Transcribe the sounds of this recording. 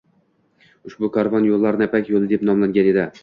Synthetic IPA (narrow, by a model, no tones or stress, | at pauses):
ʊʃbʊkʰɒɾvɒnjolˠːaɾnapʰakʲjolˠɪd̪e̞pnɒmlaŋɡʲane̞d̪ɪ